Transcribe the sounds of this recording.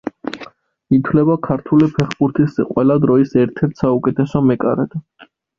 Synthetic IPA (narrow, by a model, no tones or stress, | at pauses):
it̪ʰwlɛbakʰaɾt̪ʰulipʰɛχbuɾt̪ʰisqʼwɛlad̪ɾɔisɛɾt̪ʰɛɾt̪ʰsaukʼɛt̪ʰɛsɔmɛkʼa̰ɾɛd̪